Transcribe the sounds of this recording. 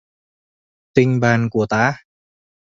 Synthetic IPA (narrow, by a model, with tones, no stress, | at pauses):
t̪ɪ˧ŋbaː˧˩nku˨˩˦t̪aː˧˦